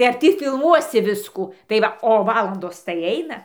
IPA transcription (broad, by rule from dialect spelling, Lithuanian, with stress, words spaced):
tɐɪ ɐr ˈtʲiː fʲɪlˠˈmuɔsʲɪ ˈʋʲɪskuː tɐɪ ˈʋɐ oː ˈʋɑːlˠɐndoːs tɐɪ ˈɐɪnɐ